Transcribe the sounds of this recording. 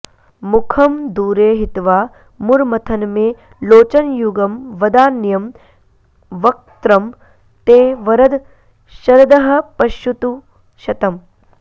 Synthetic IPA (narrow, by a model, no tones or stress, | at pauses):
mukʰɐmd̪uːɾeːɦit̪ʋaː | muɾmɐt̪ʰɐnmeː | loːt͡ʃɐnjuɡɐmʋɐd̪aːnjɐm | ʋɐk̚t̪ɾɐm | t̪eːʋɐɾɐd̪ | ʃɐɾɐd̪ɐɦɐ̆pɐʃut̪u | ʃɐt̪ɐm